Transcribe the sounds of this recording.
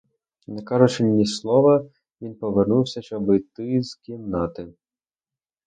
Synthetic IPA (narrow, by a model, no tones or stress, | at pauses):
nekɑɾʊt͡ʃɪnʲːislˠɔʋɐ | ʋʲinpɔʋernuwsʲɐʃt͡ʃɔbɔjt̪ɪz̥kʲinnɑt̪ɪ